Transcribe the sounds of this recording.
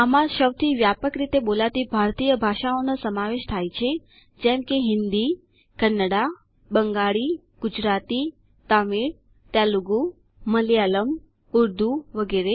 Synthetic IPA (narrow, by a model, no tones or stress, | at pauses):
amãʃəwt̪ʰiʋjapəkɾit̪ebolaʋt̪ibʱaɾt̪ijəbʱaʃaonosəmaʋeʃt̪ʰajt͡ʃʰe | d͡ʒɛmkeɦɪnd̪i | kənːəɽa | bəŋɡaɭi | ɡ̥ud͡ʒɾat̪i | t̪amiɽ | t̪aluɡu | məljaləm | ʊɾd̪ʱuʋəɡeɾe